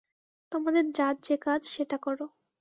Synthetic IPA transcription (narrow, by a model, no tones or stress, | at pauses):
t̪omad̪eɾd͡ʑat̪̚d͡ʑekad͡ʑʃeʈakɔɾo